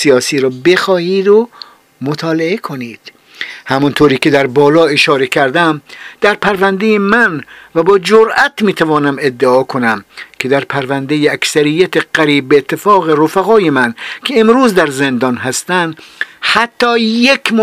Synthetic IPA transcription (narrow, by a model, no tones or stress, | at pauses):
sijɒːsiːɾɒːbe̞xɒːhiːd̪o | mot̪ʰɒːleekʰoniːd̪̥ | hæmɔnt̪ʰoːɾiːke̞d̪æɾbɒːlɒːeʃɒːɾe̞kʰæɾd̪æmd̪̥æɾpʰæɾvænd̪ejemænvæbɒːd͡ʒoɾʔæt̪miːt̪ʰævɒːnæmed̪ːeɒːkʰonæmkʰe̞d̪æɾpʰæɾvænd̪ejeæksæɾijːæt̪ʰeɢ̥æɾiːbːeːt̪ʰːe̞fɒːɣeɾofæɣɒːjemænkʰeːmɾuːzd̪æɾzend̪ɒnɦæst̪ænd̪hæt̪ʰːɒːjekʲʰm